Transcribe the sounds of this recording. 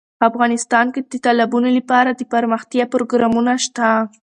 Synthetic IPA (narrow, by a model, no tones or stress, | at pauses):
afɣɑnɪst̪ɑnked̪ət̪alabunolapɑɾad̪əpaɾməxt̪jɑpɾoɡɾɑmunaʃt̪a